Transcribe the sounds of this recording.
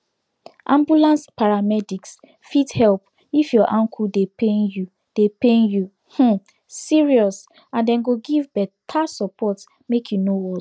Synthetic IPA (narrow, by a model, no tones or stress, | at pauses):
ʔãmbjulãnspaɹamɛdiks | fithɛlp | ifjɔʔãŋkʰudepẽnju | d̥epẽnju | h̩ | siɹiɔs | ãndɛ̃nɡoɡivbɛtʰasɔpɔt | mekʰjunowɔ